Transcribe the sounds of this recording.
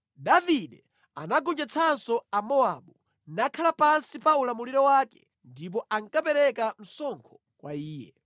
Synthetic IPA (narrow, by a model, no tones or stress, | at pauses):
daviɗɛ | a̰naɡɔnd͡ʒat͡sʰansɔamɔaɓu | nakʰalapansipaulamuliɾɔwaːkɛ̰ | ndip̬ɔʔaŋkapɛɾɛkam̩sɔŋkʰɔ̥ | kwaiːjɛ̰